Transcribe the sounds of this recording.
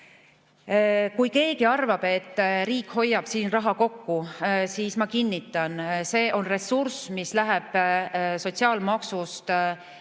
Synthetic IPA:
kujke̞ːɡiɑrvɑb̥e̞t̪ːˑriːkho̞jːɑb̥siːnrɑɦɑko̞kːusiːsmɑkinːit̪ːˑɑnse̞ːʔo̞nre̞sursmislæɦɛb̥so̞t̪ʲsiɑːlmɑksust̪

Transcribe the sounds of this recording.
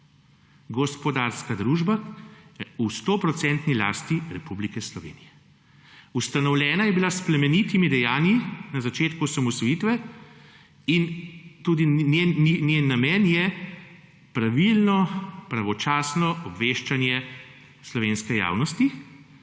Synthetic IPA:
ɡɔspɔd̪aɾskad̪ɾuːʒba | ust̪oːpɾɔt̪sɛnt̪nila̰ːst̪iɾɛpublikɛslɔʋḛːnijɛ | ust̪anɔwlʲɛːnajɛbilaspɾɛmɛnit̪imid̪ɛjaːnjinazat͡ʃeːt̪kusamɔsɔjit̪ʋɛ | int̪uːd̪inenjenːamɛnjɛ | pɾaʋilnɔpɾaʋɔt͡ʃaːsnɔʔɔbʋeːʃt͡ʃanjɛ | slɔʋeːnskɛja̰ːwnɔst̪i

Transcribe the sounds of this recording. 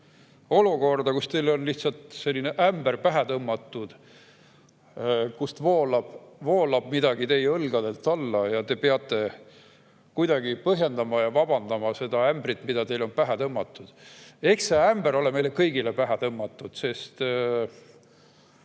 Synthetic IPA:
o̞luko̞rd̪̥ɑkust̪e̞jlo̞nliht̪sɑlt̪se̞lʲːineʔæmberpæɦet̪ɤmːɑt̪ːˑud̪̥ | kust̪vo̞ːlɑb̥vo̞ːlɑb̥mid̪̥ɑɡ̥it̪e̞jɤlɡ̥ɑd̪e̞lt̪ːˑɑlːɑjɑt̪e̞peɑt̪ːˑe̞ | kujd̪̥ɑɡipɤɦje̞nd̪ɑmɑjɑvɑb̥ɑnd̪̥ɑmɑse̞d̪̥ɑæmbrit̪ːˑmid̪ɑt̪e̞jlo̞npæɦet̪ɤmːɑt̪ˑːud̪̥e̞ksseæmb̥eɾo̞leme̞jlekɤjɡilepæɦet̪ɤmːɑt̪ːˑud̪̥se̞st̪

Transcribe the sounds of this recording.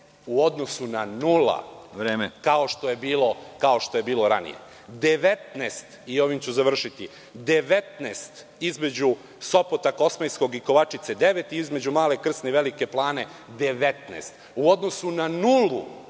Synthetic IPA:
uod̪no̞sunanula̰ʋɾeːmekao̞ʃt̪o̞je̞biːlˠo̞kao̞ʃt̪oje̞biːlˠo̞ɾa̰nḭjḛ | d̪eʋet̪nest̪io̞ʋimt͡ɕuzaʋr̩ʃit̪i | d̪e̞ʋet̪nest̪ | izme̞d͡ʑu | so̞pot̪ako̞smejsko̞ɡiko̞ʋat͡ʂit̪se̞d̪eʋet̪iizme̞d͡ʑumaːle̞kr̩sneʋelike̞plˠaːne̞ | d̪eʋet̪nḛst̪ | uo̞d̪no̞sunanulu

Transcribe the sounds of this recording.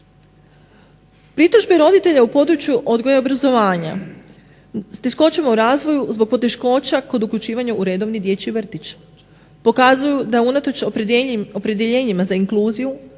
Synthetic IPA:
pɾit̪ɾuʒbeɾo̞d̪it̪e̞ʎaupo̞d̪ɾut͡ʃjuʔo̞d̪ɡo̞jeobɾazo̞ʋaːɲa̰ | st̪e̞ʃko̞t͡ʃemauɾaːzʋo̞juzbo̞ɡ̚po̞t̪e̞ʃko̞ːt͡ɕako̞d̪ukʎʲut͡ʃiːʋaɲauɾed̪o̞ʋnid̪je̞ːt͡ɕiʋr̩t̪it͡ɕ | po̞kazujud̪aunat̪o̞t͡ʃoopɾe̞d̪jeʎe̞ːɲimazaiŋklˠuːziju

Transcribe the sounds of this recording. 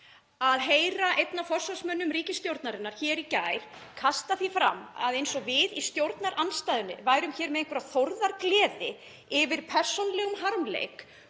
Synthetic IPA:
aðɦeːjɾaʔejt̪nafɔr̥sɔsmœnːʏmɾiːcɪst̪jowɾt̪naɾɪnaɾ̥çɛːɾicaːjɾ̥kʰast̪aθifɾa̰mːa̰ðejnsɔvɪðist̪jowɾt̪naɾʔanst̪ajðʏnːɪ̰vaːjɾʏmçɛːɾmɛðejŋkʏɾaθoɾðaɾklɛːðɪ | ɪvɪɾ̥pʰɛr̥sonlɛɣʏmɦaɾmlḛjk

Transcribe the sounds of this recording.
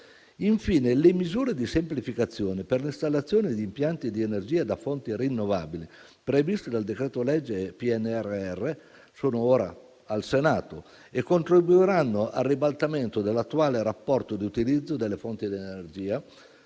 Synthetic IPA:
iɱfiːnelemizuːɾed̪isemplifikat̪sːjoːneperlist̪alːat̪sːjoːned̪iːmpjant̪id̪ienerd͡ʒiːad̪afont̪iɾinːova̰bili | pɾevist̪ed̪ald̪ekɾeːt̪olɛd͡ʒːepiɛnːɛrːeɛrːe | soːnooːɾa̰ | alsenaːt̪o | ekːont̪ɾibuiɾanːoʔarːibalt̪ament̪od̪elːat̪ːuaːleɾapːɔrt̪od̪iut̪ilid̪zːod̪elːefont̪id̪ienerd͡ʒiːa

